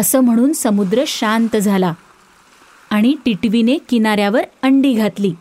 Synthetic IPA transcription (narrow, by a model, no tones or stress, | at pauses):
əsəːm̤əɽ̃uːnsəmud̪ɾəɕant̪d͡zʱala | aɽ̃iʈiʈʋinekinaɾjaʋəɾəɳɖiːɡʱat̪liː